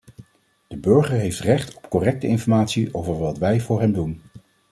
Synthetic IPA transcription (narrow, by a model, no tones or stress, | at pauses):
d̥əbɵɹχəɹɦejftrɛχtɔ̥pkɔrɛk̚təɪnfɔɹmaːtsiʔowvəɹʋɑtʋɛjvʊːɹɦɛmdun